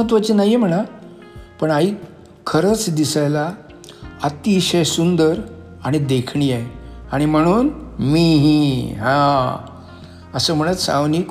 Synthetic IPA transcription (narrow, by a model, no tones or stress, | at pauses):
ət̪ʋət͡ɕinajem̤əɽ̃a | pəɳaɦiː | kʰəɾət͡sd̪isajla | at̪iɕəjsund̪əɾ | aɽ̃id̪ekʰɳijeaɽ̃im̤əɽ̃uːnmiɦiɦã | əsəːm̤əɽət̪sã̰wniːk